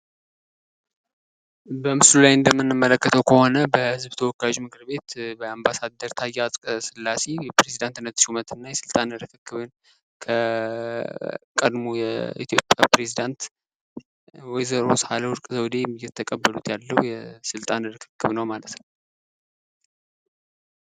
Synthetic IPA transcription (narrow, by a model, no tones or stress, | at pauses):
bəmɨslulajɨnd̪əmːɨnːɨmːələkːət̪ʰəwkʰəho̞nəbəhhɨzbt̪ʰəwɔkːaʒmɨkʰɨɾbe̞t̪bəambasad̪ːəɾt̪ʰajːasʼkʼsɨlːase̞jɛpɾe̞zid̪ant̪ɨnət̪ːʃumət̪ʰɨnːajɛsɨlt̪ʼanɨɾɨkʰɨkːɨβɨn | kʰə | kʼəd̪mojɛ̰ḭt̪ʰjo̞pʼːja̰pɾe̞zid̪ant̪ | wɔjzəɾoshaləwʊɾkʼzəwd̪emːjːɛt̪ʰːəkʼəbːəlut̪jalːəwjɛsɨlt̪ʼanɨɾɨkʰɨ̥kːɨβnəwmalət̪nəw